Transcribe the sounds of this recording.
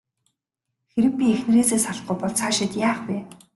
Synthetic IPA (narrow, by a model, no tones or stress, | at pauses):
xeɾɘ̆k̚pʲiexn̆reːseːsaɮ̆χŭjpɔɮt͡sʰaːʃɪ̆t̪jaːχpeː